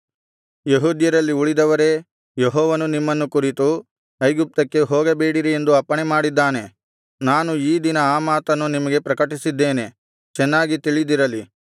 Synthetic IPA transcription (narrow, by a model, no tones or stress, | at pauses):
jeɦuːd̪jɐɾɐlːiuɭid̪ɐʋɐɾe̞ | jeɦɔːʋɐnunimːɐnːukuɾit̪u | ɐjɡup̚t̪ɐkːe̞ɦoːɡɐbeːɽiɾie̞nd̪uɐpːɐɳemaːɽid̪ːaːne̞ | naːnuiːd̪inɐaːmaːt̪ɐnːunimɐɡe̞pɾɐkɐʈisid̪ːe̞ːne̞ | t͡ʃɛnːaːɡit̪iɭid̪iɾɐli